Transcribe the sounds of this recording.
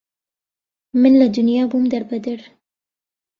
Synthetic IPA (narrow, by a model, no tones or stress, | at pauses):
mɪnlad̪ʊnjaːbumd̪aɾbad̪aɾ